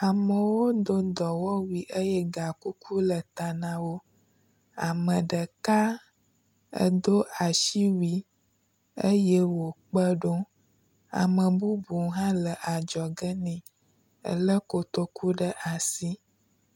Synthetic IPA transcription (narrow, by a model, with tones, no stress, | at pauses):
a˨mə̃˨wo˦d̪o˦d̪ɔ˨wɔ˦wi˨ʔə˦jɛ˦ɡa˨ku˦ku˦lə˨t̪a˨nã˨wo˦ | a˨mə̃˨ɖə˨ka˦ | ə̰˦d̪o˦ʔa˨ʃi˦wi˨ | ə˦jɛ˦wo˨k͡pə˦ɖo˦ | a̰˨mə̃˨bu˦bu˨ɦã˦lə˨ʔa˨d͡ʒɔ˨ɡə˦nɛ̃˨ | ə̰˦lə˦ko˨t̪o˦ku˦ɖə˦ʔa˨si˦